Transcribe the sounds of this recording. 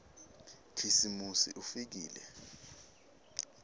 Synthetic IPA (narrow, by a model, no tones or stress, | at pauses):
kʰisimusḭʔufik̬iːlɛ̰